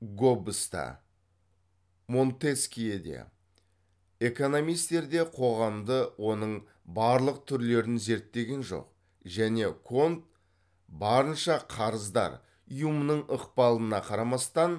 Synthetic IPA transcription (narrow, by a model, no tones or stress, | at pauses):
ɡobəst̪ɑ̰ | mo̞nt̪eskʲijed̪ḛ | e̞ko̞no̞mijst̪e̞ɾd̪e̞qʰo̞ʁɑmd̪əwo̞nəɴ | bɑɾlˠəq̚t̪ʰʏɾle̞ɾɪnze̞ɾt̪ːe̞ɡʲe̞nʒo̞̰q | ʒæne̞kʰo̞nt̪̚ | bɑɾənʃɑqʰɑɾəzd̪ɑ̰ɾ | ijumənəɴəqpɑlˠənɑqʰɑɾɑmɑst̪ɑn